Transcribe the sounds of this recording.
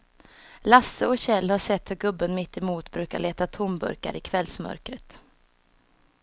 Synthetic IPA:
lasːəɔɕɛlːhaʂɛt̪ːhɵɾɡɵbːənmɪt̪ːɪmuːt̪bɾʉ̟ːkaɭeːt̪at̪ʰʊmbɵ̰ɾka̰ɾɪkʰvɛlsmœ̰ɾkɾət̪

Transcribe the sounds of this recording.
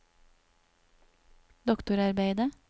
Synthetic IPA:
d̪ɔkt̪ʊɾɑɾbeɪd̪ə

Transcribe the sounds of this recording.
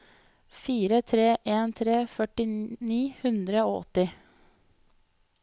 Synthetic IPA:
fiːɾət̪ʰɾeːʔeːnt̪ʰɾeːfœʈɪniːhʉnd̪ɾəoːɔ̰t̪ɪ

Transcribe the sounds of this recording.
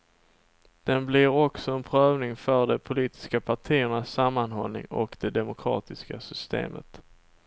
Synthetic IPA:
d̪̥ɛnblɪɾɔksɔɛnpʰɾøːvnɪŋfœɖɛpʰʊliːt̪ɪ̥skapʰaʈʰiːəɳasːamːanɦɔ̰lnɪ̰ŋɔ̰kd̪ɛd̪ɛmʊkʰɾɑ̰ːt̪ɪskasʏst̪ḛːmə̰t̪

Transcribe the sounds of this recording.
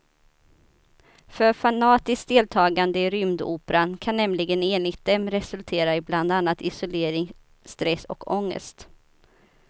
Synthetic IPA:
fœɾfanɑːt̪ɪsk̚d̪eːlt̪ʰɑːɡand̪əɪɾʏmd̪ṵːpəɾankʰanːɛmlɪɡəneːnlɪɡt̪̚d̪ɛmːɾɛsɵlt̪ʰeːɾaɪbland̪anːat̪ɪsʊleːɾɪŋ | st̪ɾɛsːɔ̰kʰɔŋːə̰st̪

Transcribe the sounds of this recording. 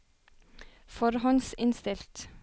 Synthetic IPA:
fɔɾhɔnsɪnst̪ɪlt̪

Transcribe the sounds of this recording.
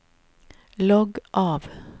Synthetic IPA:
lɔɡʔɑːʋ

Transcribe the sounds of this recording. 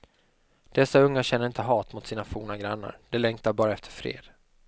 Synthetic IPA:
d̪̥ɛsːaɵŋːaɕɛnːəɾɪnt̪əɦɑːt̪mʊt̪siːnafuːnaɡɾanːa̰ɾd̪̥ɛlɛŋkt̪aɾbɑːɾaɛft̪ə̥ɾfɾḛːd̪̥

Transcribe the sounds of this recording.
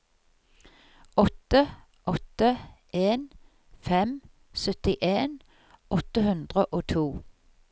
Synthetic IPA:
ɔt̪ə | ʔɔt̪əʔeːn | fɛm | sœt̪ɪʔeːn | ɔt̪əhʉnd̪ʁəʔoːt̪ʰuː

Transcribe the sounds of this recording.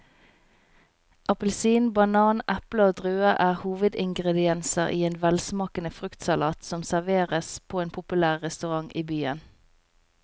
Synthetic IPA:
ʔɑpəlsiːnbɑnɑːnʔæpləoːd̪ʁøːəʔæːʁhuːʋəd̪ɪŋɡʁɛd̪ɪɛnsəʁiːeːnʋɛlsmɑːkənəfʁʉkt̪sɑlɑːt̪sɔmsæʁʋeːʁəspʰoːeːnpʰʊpʉlæːʁːɛst̪ʉʁɑŋʔiːbyːən

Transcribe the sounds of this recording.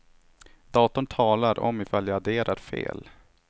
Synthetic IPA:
d̪̥ɑːt̪ʊnt̪ʰɑːlaɾɔ̰mɪfaljaad̪eːɾʔaɾfḛːl

